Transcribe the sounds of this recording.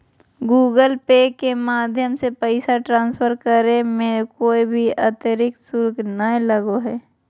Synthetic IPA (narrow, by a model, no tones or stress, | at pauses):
ɡuːɡəlpeːkemaːd̪ʱjəmsepəɪsaʈɾãːnspʰəɾkəɾẽmẽkoːibʱiət̪əɾɪk̚sʊɾɡnəẽləɡoɦɛː